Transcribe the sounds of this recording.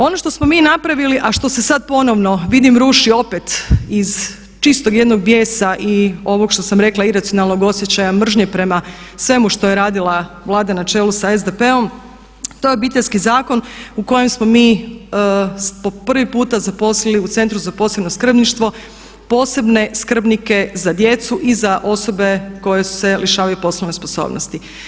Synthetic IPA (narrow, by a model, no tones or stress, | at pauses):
o̞no̞ʃt̪o̞smo̞miːnapɾaʋiliʔaʃt̪o̞se̞sad̪̚po̞no̞ʋno̞ʋid̪imɾuːʃio̞pet̪iz | t͡ʃist̪o̞ɡje̞d̪no̞ɡ̚bje̞ːsaʔio̞ʋo̞ɡʃt̪o̞samɾe̞klˠaiɾat̪sijo̞nalˠno̞ɡo̞sjet͡ɕajamr̩ʒɲe̞pɾe̞masʋe̞muʃt̪ojeɾaːd̪ilˠaʋlˠaːd̪anat͡ʃe̞ːlusaezd̪epe̞o̞m | t̪o̞jeobit̪eʎʲskizaːko̞nuko̞je̞msmo̞miː | po̞pr̩ʋipuːt̪azapo̞sliliut̪se̞nt̪ɾuzapo̞ːse̞bnoskr̩bniʃt̪ʋo̞ | po̞ːse̞bne̞skr̩bnike̞zad̪je̞t̪suʔizaʔo̞so̞be̞ko̞je̞su̥se̞ljeʃaːʋajupo̞sloʋnespo̞so̰ːbno̰st̪i